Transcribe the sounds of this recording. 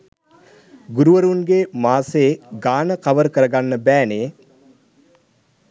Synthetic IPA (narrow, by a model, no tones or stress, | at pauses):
ɡuɾuʋəɾunɡemaːseːɡaːnəkaʋəɾkəɾəɡanːəbæːneː